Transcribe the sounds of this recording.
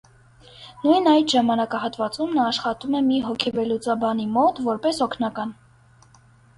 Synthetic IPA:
nujnɑjt̪ʒɑmɑnɑkɑɦɑt̪vɑt͡sumnɑːʃχɑt̪umɛmiɦɔkʰɛvɛlut͡sɑbɑnimɔt̪vɔɾpɛsɔkʰnɑkɑn

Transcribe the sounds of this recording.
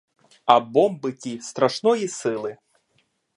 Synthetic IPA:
ɐbɔmbɨtʲist̪ɾɐʃnɔjisɪlˠɨ

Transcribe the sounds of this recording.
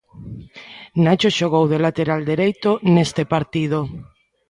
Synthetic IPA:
nat͡ʃoʃoɣowðelat̪eɾald̪eɾejt̪onest̪epaɾt̪ið̞o

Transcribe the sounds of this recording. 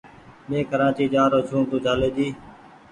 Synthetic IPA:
mẽːkəɾãːt͡ʃiːd͡ʒaːɾoːt͡ʃʰũːt̪ũːd͡ʒʱaːleːd͡ʒiː

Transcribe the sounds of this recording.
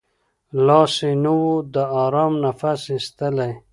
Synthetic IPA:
lɑːsenəwod̪əɑɾɑːmnafasist̪əlaj

